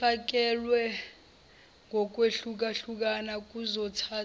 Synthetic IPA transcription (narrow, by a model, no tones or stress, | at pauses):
ak̬ɛlwɛ | ŋʱɔk̬ʼweɬuk̬aɬuk̬anak̬ʼuzɔtʰaː